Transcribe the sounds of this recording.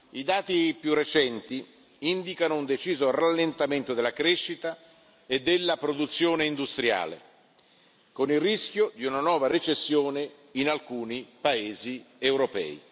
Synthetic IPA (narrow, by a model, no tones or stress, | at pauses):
id̪aːt̪ipjurːet͡ʃɛnt̪i | ind̪ikanound̪et͡ʃiːzoralːent̪ament̪od̪elːakɾeʃːit̪a | ed̪ːelːapɾod̪ut̪sːjoːneind̪ust̪ɾja̰ːlḛ | konilrisk̟jod̪iunanwɔːvaɾet͡ʃesːjoːne | inalkuːnipaeːziewɾopɛ̰ːḭ